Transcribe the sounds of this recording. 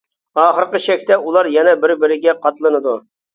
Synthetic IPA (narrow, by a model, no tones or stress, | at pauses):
ɑːχəɾqəʃɛkʲt̪ɛulˠɑɾjɛnɛbɪɾbɪɾɪɡʲɛqʰɑt̪lˠɨnɨd̪u